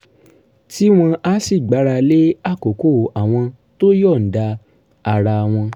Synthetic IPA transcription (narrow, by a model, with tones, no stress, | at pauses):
ti˦w̃ɔ̃˧ʔa˦si˦˨ɡ͡ba˨˦ɾa˧le˦a˦˨ko˨ko˦˨a˨w̃ɔ̃˧ | to˦jɔ˦˨n̩˨da˧ | a˨ɾa˧˨w̃ɔ̃˧